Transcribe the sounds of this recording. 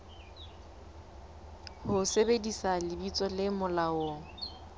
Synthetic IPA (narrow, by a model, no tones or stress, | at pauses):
hʊsebedisalɪbit͡sʼɔlɪmʊlaʊ